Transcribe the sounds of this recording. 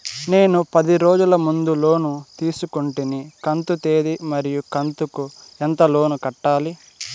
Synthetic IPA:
ne̞ːnupɐd̪iɾoːd͡ʒulɐmund̪ulo̞ːnut̪iːsukuɳʈinikɐnt̪ut̪e̞ːd̪imɐɾijukɐnt̪uku | ɛnt̪ɐlo̞ːnukɐʈːaːli

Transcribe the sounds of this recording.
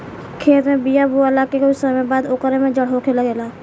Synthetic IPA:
kʰeːt̪mẽbijabuəlakekʊsəmẽbaːd̪okəɾemẽd͡ʒɐɽɦokʰelaɡeːlaː

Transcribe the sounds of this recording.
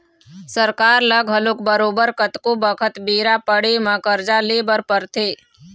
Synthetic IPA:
səɾkaːɾləɡʱɦəlʊk̚bəɾoːbəɾkət̪kobəkʰət̪biːɾapəɽemə̃kəɾd͡ʒaleːbəɾpəɾt̪ʰeː

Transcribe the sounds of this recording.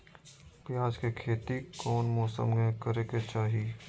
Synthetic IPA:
pɪjaːd͡ʒkekʰeːt̪ikɔːnmɔːsə̰mɡkəɾeket͡ʃaːɦi

